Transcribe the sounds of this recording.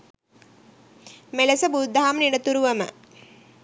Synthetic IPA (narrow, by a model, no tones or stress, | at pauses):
melɐsəbud̪ʱːaɦamniɽət̪uɾuʋɐmə̰